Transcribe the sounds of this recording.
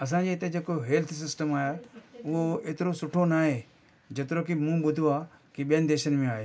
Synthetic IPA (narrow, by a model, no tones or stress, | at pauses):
ɐs̬ãːɲd͡ʑeɪt̪ed͡ʑeːkoɦeːlt̪ʰsɪsʈəmaːjaʊɦoeːt̪ɪɾosʊʈʰonaːɦe | d͡ʑet̪ɪɾokimũɓʊd̪ʱuaːkiɓijənɪ̆d̪eːʃənmẽaːɦeː